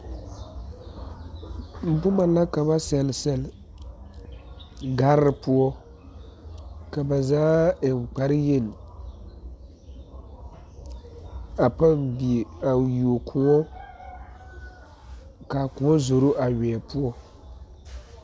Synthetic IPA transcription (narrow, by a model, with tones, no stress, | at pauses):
m̩˨bʊ˦ma˨la˦ka˨βa˦sɛ˨lsɛ˨l | ɡa˦ɾɾɨ˨pu˦ɔ˦ | ka˨ba˨zaː˦˨ŋ̩˨k͡pa˨ɾɪ˦jɛ˦˨n˨ | a˨pa˦mbi˨a˨ju˨o˨kʰu˨ŋɔ˦ | ka˨ku˨ɔ˦zo˨ɾo˦ʔa˨ɥɛ˨ɛ˨pu˦ɔ˦